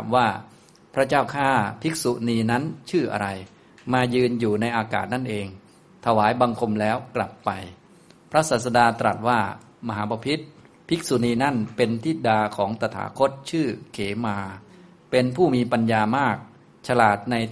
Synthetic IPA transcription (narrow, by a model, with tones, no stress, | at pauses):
a˨˦mwaː˥˩ | pʰɾa˦˥t͡ɕaː˥˩wkʰaː˥˩pʰi˦˥k̚su˨niː˧na˦˥nt͡ɕʰɯː˥˩ʔa̰˧ɾa˧j | maː˧jɯː˧njuː˨˩na˧jʔaː˧ka̰ː˨˩t̪̚na˥˩nʔeː˧ŋ | t̪ʰa˧waː˩˦jba˧ŋkʰo˧mlɛː˦˥wkla˨˩pːa˧j | pʰɾa˦˥saː˨˩t̪̚sa˧daː˧t̪ɾa̰˨˩t̪̚waː˥˩ | ma˧ɦaː˩˦ba˧pʰi˦˥t̪̚ | pʰi˦˥k̚su˨˩niː˧na˥˩npe˧nt̪ʰi˦˥˩daː˧kʰɔː˩˦ŋt̪a˧t̪ʰa̰ː˩˦kʰo˦˥t̪̚t͡ɕʰɯː˥˩kʰeː˩˦maː˧ | pe˧npʰuː˥˩miː˧pa˧njaː˧maː˥˩k̚ | t͡ɕʰa˧laː˨˩t̪̚na˧j